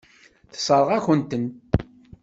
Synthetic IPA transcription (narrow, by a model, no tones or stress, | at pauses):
θə̥sˤəɾˤəʁæçənt̪ən